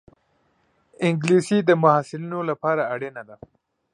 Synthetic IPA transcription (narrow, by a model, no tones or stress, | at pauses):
ɪŋɡlisid̪əmʊhasɪlinolapɑɾaːɽenad̪a